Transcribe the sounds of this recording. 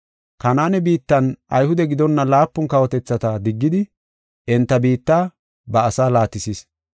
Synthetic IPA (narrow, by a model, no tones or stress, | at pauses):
kɐnaːnɛbiːt̪ːɐnʔɐjhʊd̪ɛɡɪd̪ɔnːɐlaːpːʊnkɐwɔt̪ɛt͡sːɐt̪ɐd̪ɪɡːɪd̪ɪ | ʔɛnt̪ːɐbiːt̪ːaː | bɐːsaːlaːt̪ːɪsis